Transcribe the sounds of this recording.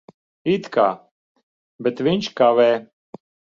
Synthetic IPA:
it̪ka̰ | bɛt̪ʋinʲt͡ʃkaʋɛ

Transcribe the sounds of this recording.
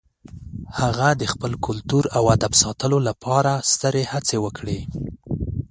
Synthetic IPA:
haɣad̪əxpəlkʊlt̪uɾawad̪absɑt̪əlolapʰɑɾast̪əɾehat͡sewəkɽe

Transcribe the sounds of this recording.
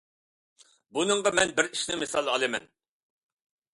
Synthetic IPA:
bunɨŋʁɑmɛnbɪɾiʃnɪmɪsɑlˠɑlˠɨmɛ̰n

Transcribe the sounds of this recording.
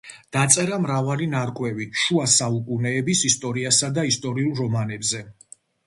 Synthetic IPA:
d̪̥at̪sʼɛɾamɾavalinaɾkʼwɛviʃuasaukʼunɛːbisist̪ʼɔɾiasad̪aist̪ʼɔɾiulˠɾɔmanɛbzɛ

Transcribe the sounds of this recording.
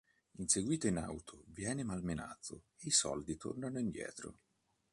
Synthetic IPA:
inseɡwiːt̪oina̰wt̪ʰovjɛːnemalmena̰d̪zːo̰ | eisɔ̰ld̪it̪ʰo̰rnanoind̪jɛ̰ːt̪ɾo̰

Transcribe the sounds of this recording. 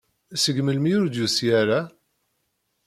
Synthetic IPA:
səɡməlmijʊɾd̪jusiæɾa

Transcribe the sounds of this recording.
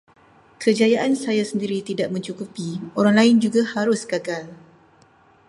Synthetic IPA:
kʰəd͡ʒajaʔansajasəndiɾit̪idaʔmə̃ɲt͡ʃukupioɾaŋlaɪnd͡ʒuɡahaɾʊsɡaɡal

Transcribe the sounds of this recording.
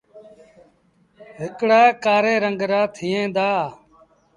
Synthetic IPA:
ɦɪkɽaːekaːɾeːɾəŋɡɾaːt̪ʰɪːẽːd̪aː

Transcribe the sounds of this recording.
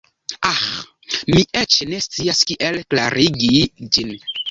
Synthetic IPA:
ax | miʔet͡ʃne̞st͡siaskiʔelkla̰ɾiɡid͡ʒin

